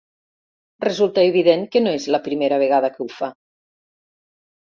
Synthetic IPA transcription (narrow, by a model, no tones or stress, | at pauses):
rezulˠt̪əeβ̞iðeŋkənoezləpɾimeɾəβ̞eɣ̞að̞əkəufa